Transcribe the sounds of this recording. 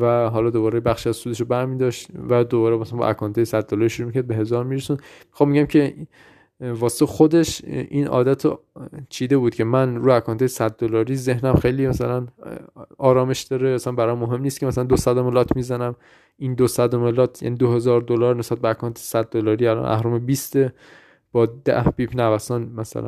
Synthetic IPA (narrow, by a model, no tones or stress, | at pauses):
væɦɒlɒd̪oβɒːɾebæxʃiæzsuːd̪eʃobæɾmiːd̪ɒːʃt̪væd̪obɒːɾemæsænbɒ̰ʔækʰɒːnt̪ʰɒːjesæd̪dːolɒːɾiʃuɾumicʰæɾd̪be̞ɦe̞zɒːɾmiɾesund̪mi̥xɑmːeɟæmcʰe̞ | vɒːse̥t̪ʰexod̪e̞ʃinʔɒ̰ːd̪æt̪ʰt͡ʃʰiːd̪ebuːd̪cʰe̞mænɾuːækʰɒːnt̪ʰɒːjesæd̪̚ːolɒːɾiːze̞hnæmxe̞jliːmæsælæn | ɒːɾɒːme̞ʃd̪̥ɒːɾeæsænbæɾɒmːoɦe̞mnist̪kcemæsælænd̪osæd̪omelɒːt̪ʰmizænæm | ind̪osæd̪omelɒːt̪ʰjæ̰niːd̪ohe̞zɒːɾd̪olɒːɾnesbæt̪̚beækʰɒːnt̪ʰe̥sæd̪̚ːolɒːɾiælɒ̰nʔæ̰hɾumebiːst̪e | b̥ɒːd̪æ̰hbiːpʰnævæsɔːnmæsæ̰læ̰